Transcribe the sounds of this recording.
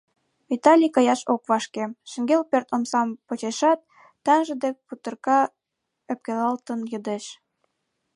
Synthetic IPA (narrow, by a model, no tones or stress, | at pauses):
βit̪ɑlʲikɑjɑʃokβɑʃkemʃə̆ŋɡelpørt̪omsɑmpot͡ɕeʃɑt̪ː | æŋʒə̆d̪ek̚put̪ɤ̆rkɑ | ə̆p̚kelɑlt̪ə̆njɤ̆d̪eʃ